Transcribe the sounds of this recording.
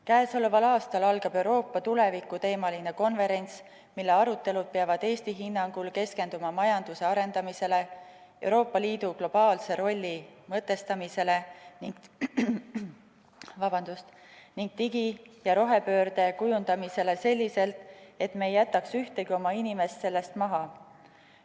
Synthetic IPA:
kæeso̞le̞vɑlɑːst̪ɑlɑlɡ̥ɑb̥e̞wɾo̞ːpːɑt̪ule̞vikːˑut̪e̞ːmɑline̞ko̞nve̞ɾe̞ns | milːe̞ɑɾut̪ːˑe̞lud̪̥̚peɑvɑd̪̥e̞ːst̪iɦinːɑŋɡ̥ulke̞ske̞nd̪umɑmɑjɑnd̪̥use̞ɑɾe̞nd̪ɑmise̞le̞ | e̞wɾo̞ːpːˑɑliːd̪̥uɡlo̞b̥ɑːlse̞ɾo̞lʲːimɤ̞t̪ːˑe̞st̪ɑmise̞le̞niŋɡ̥ | vɑb̥ɑnd̪̥ust̪ | niŋɡ̥̚t̪iɡijɑɾo̞ɦe̞pø̞ːɾd̪̥e̞kujund̪̥ɑmise̞le̞se̞lʲːise̞lt̪e̞t̪me̞ːjæt̪ːˑɑksyht̪e̞ɡio̞mɑinime̞st̪se̞lːe̞st̪mɑɦɑ

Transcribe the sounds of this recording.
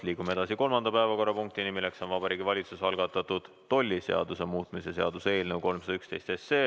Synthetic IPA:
liːɡumee̞d̪ɑsiko̞lmɑnd̪̥ɑpæevɑko̞rːɑpuŋk̚t̪inimilekso̞nvɑbɑɾiːɡivɑlʲit̪susɑlɡ̥ɑt̪ːˑɑt̪ud̪̥ːo̞lʲːise̞ɑ̰d̪̥use̞muːt̪ˑmisese̞ɑd̪̥use̞ːlnewko̞lmsɑd̪ɑykst̪e̞jst̪est̪se̞ː

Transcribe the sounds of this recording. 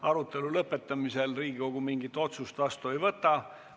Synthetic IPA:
ɑɾut̪ːˑe̞lulɤpːˑe̞t̪ːˑɑmise̞lriːɡiko̞ɡ̥umiŋɡit̪ːˑo̞t̪sust̪vɑst̪ue̞jvɤt̪ːˑɑ

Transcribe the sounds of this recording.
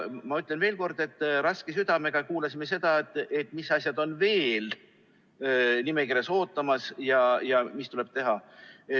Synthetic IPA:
mɑyt̪ːˑlenve̞ːlko̞rd̪̥e̞t̪ːˑrɑskesyd̪̥ɑme̞ɡ̥ɑkuːlɑsime̞s̬e̞d̪̥ɑet̪ˑːe̞t̪ːˑmisːɑsjɑd̪̥o̞nve̞ːl | nime̞kiɾe̞so̞ːt̪ːˑɑmɑsjɑjɑmist̪ule̞b̥t̪e̞ɦɑ

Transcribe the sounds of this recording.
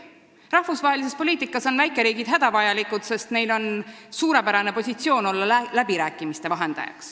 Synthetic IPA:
rɑhfusvɑɦe̞lis̬e̞spo̞liːt̪ikːˑɑso̞nvæjkːˑe̞ɾiːɡ̥id̪̥ɦæd̪̥ɑvɑjɑlikːˑud̪̥se̞st̪ne̞jlo̞nsuːɾe̞pæɾɑne̞po̞sʲit̪sio̞ːno̞lːɑlæbiɾæːkːˑimist̪e̞vɑɦe̞nd̪̥ɑ̰jɑ̰ks

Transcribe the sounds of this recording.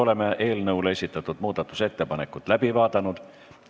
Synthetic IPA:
o̞le̞meʔe̞ːlnɤwle̞sʲit̪ːˑɑt̪ːˑud̪̥muːd̪̥ɑt̪ːˑuse̞t̪ːe̞pɑne̞kːˑut̪læb̥ivɑːd̪ɑnud̪̥

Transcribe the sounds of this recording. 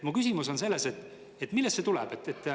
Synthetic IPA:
mukysimuso̞nse̞lːe̞set̪ːˑ | et̪ːˑmilːestset̪ulɛ̰b̥et̪ːet̪ːˑ

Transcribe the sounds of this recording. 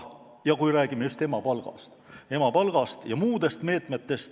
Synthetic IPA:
jɑkujɾæːɡ̥ime̞jyst̪e̞mɑpɑlɡ̥ɑ̰st̪e̞mɑpɑlɡ̥ɑst̪jɑmuːd̪̥e̞st̪me̞ːt̪ˑmet̪ːe̞st̪

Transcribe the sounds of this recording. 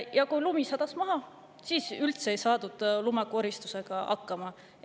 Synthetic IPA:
jɑkujlumisɑd̪̥ɑsmɑɦɑ | siːsylt̪se̞ejsɑːd̪ud̪̥lumɑkuoɾist̪u̥se̞ɡ̥ɑɑ̰kːɑmɑ

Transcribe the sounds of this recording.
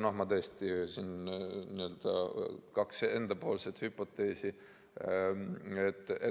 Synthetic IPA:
nɑɦmɑd̪est̪isinniøld̪̥ɑ̰kɑkse̞nd̪̥ɑpo̞ːlse̞t̪hypːo̞t̪ːˑeːsi | et̪ːˑe

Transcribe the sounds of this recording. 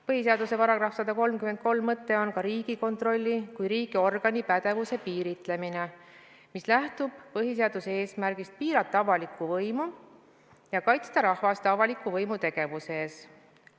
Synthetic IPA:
pɤɦis̬e̞ɑd̪use̞vɑɾɑɡ̥rɑhfsɑd̪ɑko̞lmkyment̪̚ko̞lmmɤt̪ːˑe̞o̞nkɑɾiːɡ̥iko̞nt̪ro̞lʲːikujɾiːɡ̥io̞rɡ̥ɑnipæd̪̥e̞vuse̞piːɾit̪ˑle̞mine̞ | mislæht̪ub̥pɤɦis̬e̞ɑd̪̥usee̞ːsmærɡ̥ist̪̚piːɾɑt̪ːˑɑvɑlikːˑuvɤjmu | jɑkɑjt̪st̪ɑɾɑhvɑst̪ɑvɑlikːˑuvɤjmut̪e̞ɡ̥e̞vuse̞ːs

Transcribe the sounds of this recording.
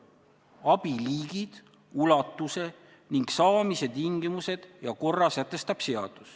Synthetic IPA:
ɑb̥iliːɡ̥id̪̥ | ulɑt̪ˑːuse̞ | niŋɡ̥sɑːmise̞t̪iŋɡimuse̞d̪̥jɑko̞rːɑsæt̪ːˑe̞st̪ɑb̥se̞ɑd̪̥us

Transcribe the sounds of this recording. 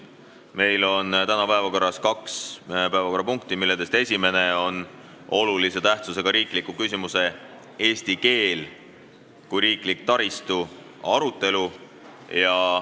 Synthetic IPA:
me̞jlo̞nt̪ænɑpæevɑko̞rːɑskɑkspæevɑko̞rːɑpuŋk̚t̪imilːed̪e̞st̪e̞sʲime̞ne̞o̞n | o̞lulise̞t̪æht̪suse̞ɡ̥ɑɾiːklikːˑukysʲimuse̞ | e̞ːst̪ike̞ːl | kujɾiːklik̚t̪ɑɾist̪u | ɑɾut̪ːˑe̞lu | jɑ

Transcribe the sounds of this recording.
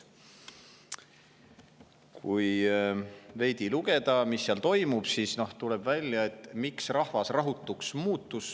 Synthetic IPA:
kʰuj | ve̞jd̪̥iluɡe̞d̪̥ɑmisːiɑlt̪o̞jmub̥siːsno̞ht̪ule̞bvælʲjɑe̞t̪ːˑmiksrɑhvɑsrɑɦut̪ːˑuksmuːt̪ːˑus

